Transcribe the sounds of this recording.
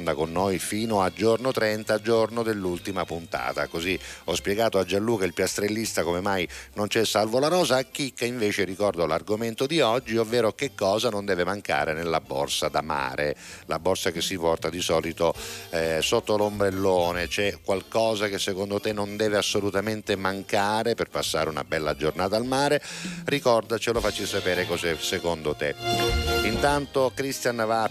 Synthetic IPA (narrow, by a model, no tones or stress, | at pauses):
nd̪akonːojfiːnoad͡ʒornot̪ɾɛnt̪ad͡ʒornod̪elːult̪imapunt̪a̰ːt̪a̰koziɔspjɛɡaːt̪oad͡ʒalːuːkailpjast̪ɾelːist̪akomemajnont͡ʃɛsːalvolaɾɔːzaːk̟ːikːaiɱveːt͡ʃerikɔrd̪olarɡoment̪od̪iɔd͡ʒːiovːeːɾokekːɔːzanond̪ɛːvemaŋka̰ːɾenelːabːɔ̰rsad̪ama̰ːɾela̰bːorsakesːipɔrt̪ad̪isɔːlit̪oɛsot̪ːolombɾelːoːnet͡ʃɛkːwalkɔːzakesːekond̪ot̪enːond̪ɛːveasːolut̪ament̪emaŋkaːɾeperpasːa̰ːɾuna̰bɛlːad͡ʒornaːt̪almaːɾerikɔrd̪at͡ʃelofat͡ʃːisapɛːɾekɔzɛsekond̪ot̪e | int̪ant̪okɾist̪janva